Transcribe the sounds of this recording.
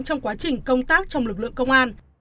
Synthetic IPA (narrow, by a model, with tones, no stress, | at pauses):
t͡ɕɔ˧wŋ͡mkwaː˨˦t͡ɕï˨˩ŋ̟kə˧wŋ͡mt̪aː˦˥k̚t͡ɕɔ˧wŋ͡mlɨ˨˩k̚lɨ̰˧˨əŋkə˧wŋ͡mʔaː˧n